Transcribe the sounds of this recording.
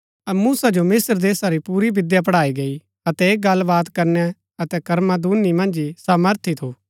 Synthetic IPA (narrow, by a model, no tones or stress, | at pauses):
ɐmuːsad͡ʒomɪsəɾd̪eːsaɾipuːɾibɪd̪jap̬ɐɽaːiɡɐi | ɐt̪ɛeːk̚ɡɐlːbaːt̪kɐɾnɛ | ɐt̪ɛkɐɾmãd̪uːnimɐ̃nd͡ʒisaːməɾt̪ʰit̪ʰuː